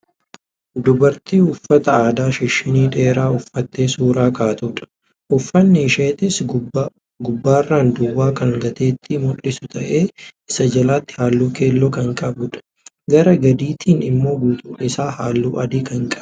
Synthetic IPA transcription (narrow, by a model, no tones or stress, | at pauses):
d̪ʊbɐɾt̪iːʊfːɐt̪ɐaːd̪aːʃɪʃɪniːᶑe̞ːɾaːʊfːɐt̪ːeːsuːɾaːkaːt̪uːᶑɐ̥ | ʔʊfːɐnːɛːʃeːt̪ɪs | ɡʊbːaːrːaːnd̪ʊwːaːkɐŋɡɐt̪e̞ːt̪ːɪmʊᶑɪsʊt̪ʰɐʔe̞ːɪsɐd͡ʒɐlaːt̪ːɪ̥haːlːuːke̞ːlːɔːkɐŋkʼɐbʊᶑɐ̥ | ɡɐɾɐɡɐd̪iːt̪ʰiːnɪmːo̞ːɡuːt̪ʼʊ̥ʔɪsaːhaːlːuːʔɐd̪iːkɐŋkʼɐ